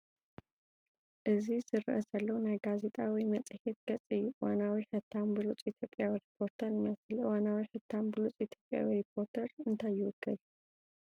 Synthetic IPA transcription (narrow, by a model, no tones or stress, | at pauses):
ʔɨzizɨɾɨʔɐzalːɐwunajɡaze̞t̪ʼawɔjmɐt͡sʼhet̪̚ɡ̥ɐt͡sʼːɨjːuʔɨwa̰nawiħɨt̪ʰːambɨlut͡sʼit̪ʰjo̞pʼjawiɾipʰo̞ɾt̪ʰɐɾɨmɐslɨwanawiħɨt̪ʰːambɨlut͡sʼit̪ʰjopʼːja̰wiɾipʰo̞ɾt̪ʰəɾɨnt̪ʰajːɪwɔɡːɨl